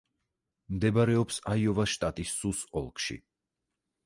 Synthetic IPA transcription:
md̪ɛbaɾɛɔpsaiɔvaʃt̪ʼat̪ʼisːusɔlˠkʰʼʃḭ

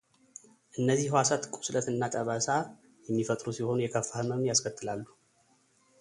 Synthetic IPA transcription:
ʔɨnːəzːihwasat̪kʷʼu̥slət̪ɨnːat̪ʼəβasa | jɛmːifət̪ʼɾusiho̞nujɛkʰəfːahɨmənjaskʰət̪ʰʼːɨlalːu

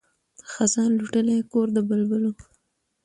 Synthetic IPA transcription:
d̪̥əxazɑnluʈəlekoɾd̪əbəlbəlo

